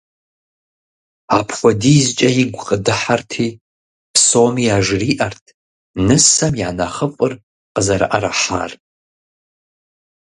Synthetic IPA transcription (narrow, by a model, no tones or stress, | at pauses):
apʰxʷɔdiːzt͡ʃʼɐjɪɡʷqʼədɨħartʰiː | pʰsomiaʒriːʔɐrtʰ | nɨsɐmjanɐχəfʼɨr | qəzɐɾa̰ʔɐɾaħa̰ːr